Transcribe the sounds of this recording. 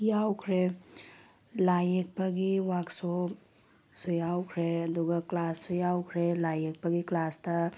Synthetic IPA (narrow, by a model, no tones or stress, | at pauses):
jawkʰɾe | lajek̚paɡiwakso | sɔjawkʰɾeɐduɡɐklasːɔjawkʰɾelajek̚paɡiklastɐ